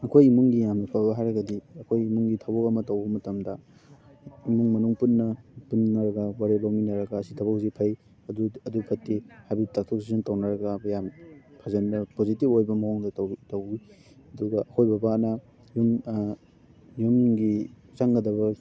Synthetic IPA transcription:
ɐkʰojimuŋɡijamnɐpʰawbɐɦajɾɐɡɐdiɐkʰojimuŋɡitʰabokɐmɐtɐwbɐmɐtɐmdɐ | imuŋmɐnuŋpunːɐpunːɐɾɐɡɐwaɾebawminɐɾɐɡɐːsitʰɐbɐk̚zipʰɐj | ɐduɐdukʰɐtːihajbitak̚tʰok̚sisuntɐwnɐɾɐɡɐjampʰɐzenbɐpozitipojbɐmɐɦoŋdɐtɐwi | ɐduɡɐʔɐkʰojbɐbanɐ | jum | jumɡi | t͡ʃaŋɡɐdɐβɐ

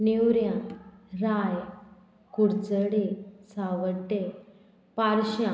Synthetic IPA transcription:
niwɾjãɾaj | kuɾd͡zəɽesaʋəʈːe | paɾɕjã

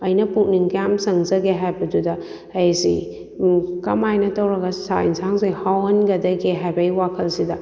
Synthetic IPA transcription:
ɐjnɐpuk̚niŋkjamsɐŋzɐɡeɦajbɐdudɐː | jsḭ | kɐmajnɐtɐwɾɐɡɐsainsaŋzijhawɐnɡɐdɐɡeɦajbɐjwakʰɐlsidɐ

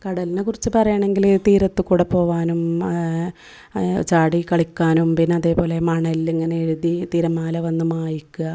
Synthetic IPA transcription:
kɐɽɐlinɨkurit͡ɕːɨpɐrɐjaːɳe̞ŋɡilt̪iːɾɐt̪ːɨkuːɽepːo̞ːʋaːnum | t͡ɕaːɽikɐɭikʲːaːnumpinːeɐðe̞ːpo̞ːle̞mɐɳɐliŋːɐneeɻuðit̪iːɾɐmːaːlɐʋɐnːumaːjikʲːuɣɐ

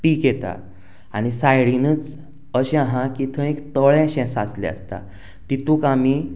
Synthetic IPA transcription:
piːkjet̪a̰ | añisajɽinət͡s | əɕɛ̃aɦãkit̪ʰə̃ekt̪əɭɛ̃ɕɛ̃saslɛ̰̃ə̰st̪a̰ | t̪it̪uːkami

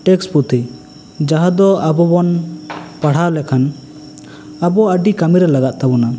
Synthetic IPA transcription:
ʈɛksput̪ʰi | d͡ʒaɦad̪ɔabɔbɔnpaɽ̤alɛkʰan | abɔəɖikamiɾɛlaɡat̪̚t̪abɔna

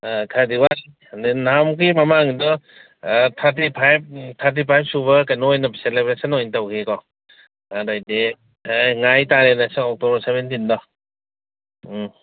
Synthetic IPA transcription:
kʰadiwa | ninamkimamaŋdɔ | tʰaɾtipʰajb̚tʰaɾt̬ipʰajp̚suβɐkajnɔjnɔselebɾesɔnɔintawkʰekɔ | adajde | ŋajtaɾenasɔŋɔk̚tɔbɐɾsebentindɔ

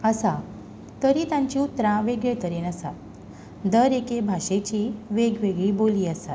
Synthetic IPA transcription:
əsa | t̪əɾiːt̪ãɲt͡ɕiːut̪ɾãʋeɡɭet̪əɾenəsa̰t̪̚ | d̪əɾekebʱaɕet͡ɕiːʋeɡʋeɡɭiboliːəsat̪

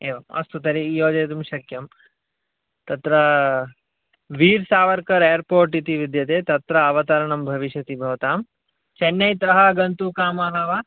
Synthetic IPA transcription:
eːʋɐmɐ̰st̪ut̪ɐɾijoːd͡ʒɐːt̪umʃɐkjɐm | t̪ɐt̪ɾɐ | ʋiːɾsaːʋɐɾkɐɾeːɐɾpoːɾʈit̪iʋid̪jɐt̪eːt̪ɐt̪ɾɐɐʋɐt̪ɐɾɐɳɐmbʱɐʋiʃjɐt̪ibʱɐʋɐt̪aːm | t͡ʃɐnːɐjt̪ɾɐɦɐɡɐnt̪ukaːmaːɦɐʋɐ

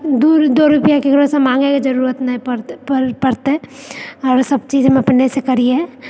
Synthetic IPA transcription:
d̪uɾd̪oːɾʊpjakikɽõsemãːŋɡekid͡ʒɐɾuːɾət̪nɐɦĩpɾpəɾpɐɾt̪ɛɔːɾsɐbt͡ʃiːzmẽɐpnesekɐɾiɛ

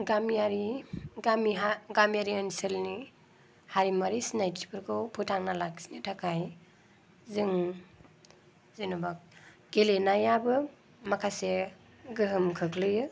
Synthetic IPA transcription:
ɡamijaɾiɡamiɦaɡamijaɾianselni | haɾimaɾisinajti̥pʰɯɾɡɯwpʰutʰaŋnalaksinɯtʰakʰaj | zɯŋ | zinubak̚ɡ̥elenajabɯ | makʰase | ɡɯɦɯmkʰɯklɯjɯ

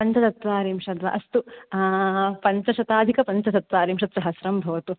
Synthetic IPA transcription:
pɐɲt͡ʃɐt̪ɐt̪ʋaːɾiːmʂɐd̪ʋa̰ʔɐst̪u | pɐɲt͡ʃɐʃɐt̪aːd̪ʱikɐpɐɲt͡ʃɐt̪ɐt̪ʋaːɾiːmʂɐt̪sɐɦɐsɾɐmbʱɐʋɐt̪u

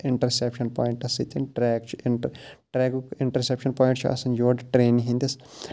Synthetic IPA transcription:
ɪɳʈɐɾsepʃɐnpoːiɳʈɐsit̪ʲinʈɾɛːkt͡ʃʰ | ʈɾeːɡukɪɳʈɐɾsepʃɐnpoːĩɳʈt͡ʃʰiɐ̰sɐnjoːɖʈɾeːniɦĩnd̪is

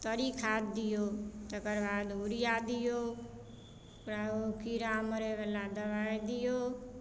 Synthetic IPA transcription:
t̪əɾikʰad̪d̪ɪjot̪əkəɾbaːd̪ʊɾɪjad̪ɪjo | kɾaokiɾaməɾeʋəlad̪əʋajd̪ɪjoː

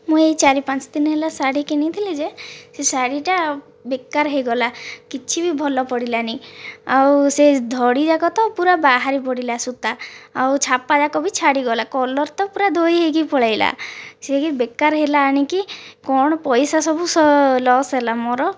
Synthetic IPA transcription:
mũejt͡ʃaɾipant͡ʃɔ̥d̪inɔɦelasaɽikenit̪ʰiled͡ʒesesaɽiʈa | bekːaɾɦejɡɔlakit͡ʃʰibibʱɔlɔpɔɽilaniawsed̪ʱɔɽid͡ʒakɔt̪ɔpuɾabaɦaɾipɔɽilasut̪aa̰wt͡ʃʰapad͡ʒakɔbit͡ʃʰaɽiɡɔlakɔlɔɾt̪ɔpuɾad̪ʱojɦeɡipɔɭajla̰sekibekːaɾɦelaːɽ̃ikikɔɽ̃ɔpɔjsasɔbʱusɔlɔsɦelamɔɾɔ

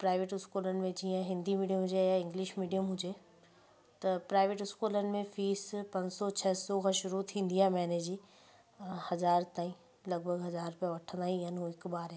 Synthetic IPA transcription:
pɾaːɪʋeːʈɪskuːlənɪ̆mẽd͡ʑiːə̃ɦɪ̃nd̪imiːɖiəmɦʊ̃d͡ʑejaɪ̃ŋɡlɪʃmiːɖijəmɦʊ̃d͡ʑe | t̪ɐpɾaːɪʋeːʈɪskuːlənɪ̆mẽfiːspɐ̃ɲd͡ʑsɔt͡ɕʰɐɦsɔkʰãʃʊɾut̪ʰĩːnd̪iaɦmɛːneːd͡ʑiː | hɐzaːɾt̪aːĩ | lɐɡ̚bʱəɡɦɐzaːɾpijaʋɐʈʰə̃nd̪aːɦiɦənɪɦuɪkɓaːɾa

